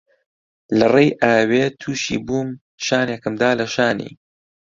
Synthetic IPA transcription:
lɐrejʔaːweːt̪ʰuːʃḭːbuːm | ʃaːneːkɨmd̪aːlɐʃaːnḭː

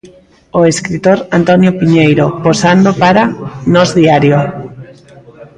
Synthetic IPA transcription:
oeskɾit̪oɾant̪ɔnjopiɲejɾoposand̪opaɾanɔzðiaɾjo

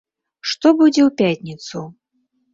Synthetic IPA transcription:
ʂt̪ɔbud͡zʲɛwpʲatʲnʲit̪su

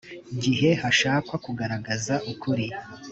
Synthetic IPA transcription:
ɟiɦe̞haʃaːkwakuɡaɾaɡazaʔukʰuɾi

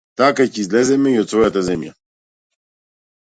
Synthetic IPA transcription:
t̪akacɛizlɛzɛmɛiot̪svɔjat̪azɛmja̰

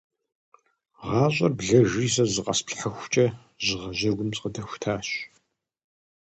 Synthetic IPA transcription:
ʁɑːɕʷʼɐrbɮɐʒiːsɐzɨqʼɐ̰spɬħəxʷt͡ʃʼɐ | zɨʁɐʑɐɡʷʊmt͡sʼqədɐxʷʊ̥tʰaːɕ

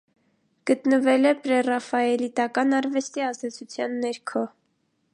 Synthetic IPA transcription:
ɡ̥ət̪nəvɛlɛpɾɛrɑfɑɛlit̪ɑkɑnɑɾvɛst̪iɑzd̪ɛt͡sʰut͡sʰjɑnːɛɾkʰɔ

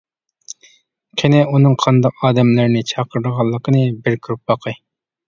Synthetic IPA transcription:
qʰʲenɛunɨŋqʰɑnd̪ɑqɑːd̪ɛmlɪɾnɪt͡ʃʰɑːqʰəɾd̪əʁɑlˠːəqʰənɨbɪɾkʰʲyɾup̚bɑqʰɨ

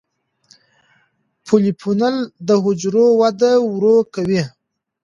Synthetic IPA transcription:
pʰolipʰunald̪əɦʊd͡ʒɾowad̪awɾokawi

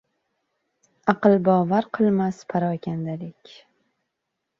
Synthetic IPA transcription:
ɑqɨlˠbɒːvaɾqʰɨlˠmaspʰaɾɒkʲʰand̪alɪkʲ

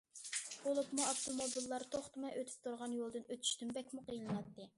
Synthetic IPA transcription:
b̥olˠupmuɑft̪omobilˠːɑɾt̪ʰoχt̪mɨʔøt̪ʰy̥p̚t̪ʰuɾʁɑnjolˠd̪ɨnøt̪ʰy̥ʃt̪ymbɛkʲmuqʰəjlˠɨnɑt̪ːɨ

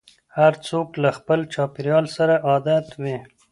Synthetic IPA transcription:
haɾt͡soklaxpəlt͡ʃɑːpɪɾjɑlsaɾaʔɑd̪at̪wi

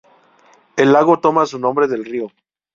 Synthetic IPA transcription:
e̞lːaɣo̞t̪o̞mas̬unõ̞mbɾe̞ðe̞lrio̞

